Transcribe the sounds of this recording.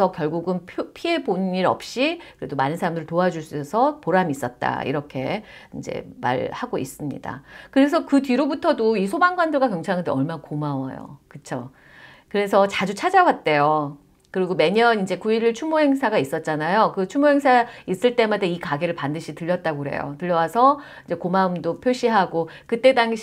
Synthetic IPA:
ʌkjʌɭɡuɡɯnpʰpʰie̞bonɯniɾʌ̰p̚ɕ͈ikɯɾe̞domanɯnsʰaɾamdɯɾɯɭtoad͡ʑuɭs͈uesʰʌpoɾamiis͈ʌt̚t͈a̰ḭɾʌkʰe̞ | ind͡ʑe̞̰ma̰ɭhaɡois͈ɯmɲḭda̰kɯɾe̞sʰʌkɯtɥiɾobutʰʌdois̬ʰobaŋɡwandɯɭɡwakjʌŋt͡ɕʰaŋandeʌɭmakomawa̰jo̰kɯt͡ɕʰo̰ | kɯɾe̞sʰʌt͡ɕad͡ʑut͡ɕʰad͡ʑawat̚t͈e̞jo | kɯɾiɡome̞ɲʌnind͡ʑe̞kuiɾiɭt͡ɕʰumoɦe̞ŋsʰaɡais͈ʌt̚t͡ɕ͈anajokɯt͡ɕʰumoɦe̞ŋsʰais͈ɯɭt͈e̞madeikaɡe̞ɾɯɭpandɯɕʰitɯʎːʌt̚t͈aɡoɦe̞̰jo̰tɯʎːjʌwasʰʌ | ind͡ʑe̞komaɯmdopʰjoɕ͈ʰiɦaɡokɯt͈e̞daŋɕ

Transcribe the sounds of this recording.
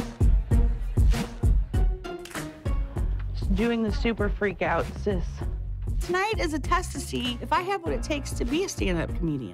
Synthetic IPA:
dʉɪ̃ŋðɨsʉpə˞fɹikaʊtsɪstʰənaɪɾɨzɨtʰɛstɨsiɨfaɪɨvwʌɾɨtʰeɪkstʰɨbiɨstæ̃ndʌ̰p̚kʰmjʉɾḭɨ̰̃n

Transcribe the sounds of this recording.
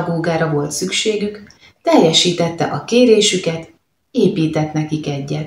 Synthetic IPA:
ɡoːɡaːɾɒvo̞lt̪sykʃeːɡyk | t̪ɛjɛʃiːt̪ɛt̪ːɛ̰ʔɒkeːɾeːʃykɛt̪ | eːpiːt̪ɛt̪nɛkikɛɟːɛt̪

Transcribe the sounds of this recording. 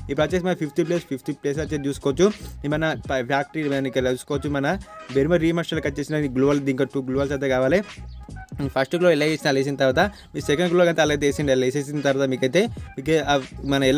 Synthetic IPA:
ip̬ːɾɐt͡ʃes̬imɐɐpʰipʰt̪ip̬leːspʰipʰt̪ipleːs̬ɐt͡ʃːet͡ʃuːsukɔʋɐt͡ʃːumimɐnɐpʰjaːk̚ʈɐɾimɐnikːɐuːskɔʋɐt͡ʃːumɐnɐbeɾimɐɾiːmɐsʈɐlkɐt͡ʃːeːsinɐɡloːbɐld̪iːŋkoʈuːɡloːʋɐls̬ɐt̪̬ekaːʋaːli | pʰɐsʈkloilːɐʋeːsinɐleːsind̪ɐt̪ɐɾʋaːt̪a | miːsekɐɳɖɡloːɡɐnt̪eɐlːɐt̪eːsinɐleːseːs̬ind̪ɐt̪ɐɾʋat̪ɐmiːkɐjt̪eːmiːkemɐnɐɛl

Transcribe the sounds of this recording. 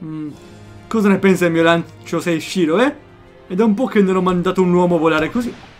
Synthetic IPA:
kɔːzanepɛnsamiːolanst͡ʃosɛjʃiːloɛ | ed̪ɛumpɔk̟ːenːenɔmːand̪aːt̪ounwɔːmoavolaːɾekozi

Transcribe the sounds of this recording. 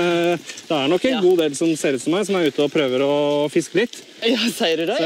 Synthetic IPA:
d̪̥ɛæɳɔkːɛnɡuːd̪eːlsɔmseːɾʉt̪sɔmæɪsɔmæɾʉːt̪əɔpʰɾøːʋəɾɔfɪskəlɪt̪ː | sæɪɾɛ

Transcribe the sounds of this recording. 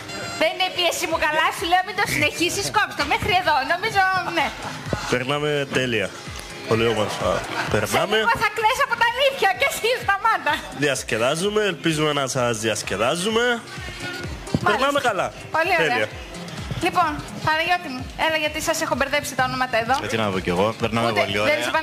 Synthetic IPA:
ðenineipiesimukɐlɐsuleomind̪o̞sine̞çisiskopst̪omexɾie̞ðo̞no̞mizone̞peɾnɐme̞t̪eliɐ | po̞liomoɾfɐ̰peɾsnɐmeɐθɐklesɐpot̪ɐːliθçɐcesizt̪ɐmɐnd̪ɐðiɐsce̞ðɐzume̞ːlpizumenɐsɐzðiɐsce̞ðɐzume̞ | meɾnɐmekɐlɐ | po̞lioeɾeɐɐ | lipo̞n | ɐðɐʝot̪imuelɐʝɐt̪isɐsexobeɾðepsit̪ɐo̞nomɐt̪ɐeðo̞ɐinɐðoceɣopeɾnɐmliespɐ

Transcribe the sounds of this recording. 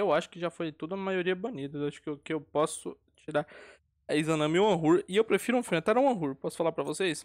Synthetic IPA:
ewaʃʊ̥kɪʒafojt̪od̪ɐũɐmajoɾiɐbonid̪ɐaʃʊ̥kkɪewpɔsʊ | t͡ʃiɾaɾ | ɛizɐ̃nɐ̃miũɐ̃ɦuɾɪewpɾefiɾʊũfimɪat̪ɛɾɛũɐ̃ɦuɾpɔsʊ̥falaɾpɾɐvosejs

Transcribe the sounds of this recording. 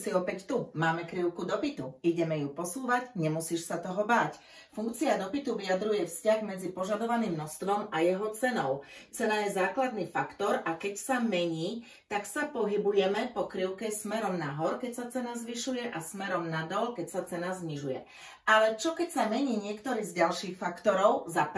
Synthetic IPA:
siɔpɛct̪umaːmɛkɾiʊkud̪ɔpit̪uiɟɛmɛjupɔsuːʋaɟɲɛmusiːʃsat̪ɔɦɔbaːc | fuŋk̚t͡siad̪ɔpit̪uʋijad̪ɾujɛfscaɣmɛd͡zipɔʒad̪ɔʋaniːmnɔst̪ʋɔmajɛɦɔt͡sɛnɔʊt͡sɛnajɛzaːklad̪niːfakt̪ɔɾʔakɛcsamɛɲiː | t̪aksapɔɦibujɛmɛpɔkɾiʊkɛsmɛɾɔmnaɦɔɾkɛcsat͡sɛnazʋiʃujɛʔasmɛɾɔmnad̪ɔʎkɛcsat͡sɛnazɲiʒujɛ̰ | alɛt͡ʃɔkɛcsamɛɲiːɲɪɛkt̪ɔɾiːzɟalʃiːxfakt̪ɔɾɔʊzap

